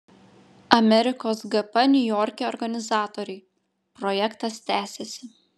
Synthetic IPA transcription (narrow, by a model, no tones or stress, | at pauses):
ɐmʲɛɾʲɪkoːsɡɐpɐnʲʊjɔːɾʲkʲɛɔːɾɡɐnʲɪzɑːt̪oːɾʲɛɪ | pɾɔjɛkt̪ɐst̪ʲæːsʲɛsʲɪ